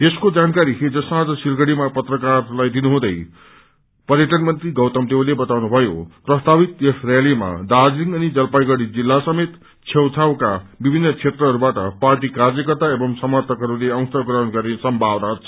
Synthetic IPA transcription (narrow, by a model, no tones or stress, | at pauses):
t̪eskod͡zankaɾiked͡zʌsmad͡zʌsilɡʌɽimapʌt̪rʌkarlajd̪inuɦũd̪ʌj | pʌɾjʌʈʌnmʌnt̪riɡʌwt̪ʌmt̪elebʌt̪awnubʱʌjo̰prʌst̪ʰabit̪jesrjalima̰d̪ad͡ziŋʌnid͡zʌlpajɡʌɽid͡zilːasʌmet̪ | t͡sʰewt͡sʰawkabibʱinːʌt͡sʰet̪rʌɦʌɾubaʈʌ̰parʈikard͡zʌkʌt̪aebʌŋsʌmʌrt̪ʰʌkɦʌɾuleʌ̃w̃st̪ʌɡrʌɦʌnɡʌɾnesʌmbʱawnaɦʌt͡sʰʌ̥